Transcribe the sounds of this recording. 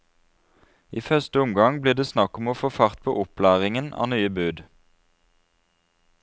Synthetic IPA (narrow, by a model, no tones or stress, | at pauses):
iːfœʁst̪əʊmɡɑŋbliːʁd̪eːsnɑkʊmoːfoːfɑʁt̪̚pʰo̰ːʔʊplæːʁɪŋənɑ̰ːnyːəbʉːd̪